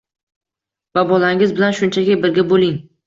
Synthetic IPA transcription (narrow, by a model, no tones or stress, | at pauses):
vabɒlaŋɪzbɪlanʃʊnt͡ʃʰakʲɪbɪɾɡʲabolɪŋ